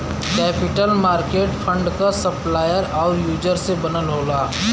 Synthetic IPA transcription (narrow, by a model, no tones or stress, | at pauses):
kɛːpɪʈəlmaːɾkeːʈpʰə̃ɳɖkasɐplaːjəɾɔːɾjuːd͡ʒəɾsebɐnəlɦoːɡaː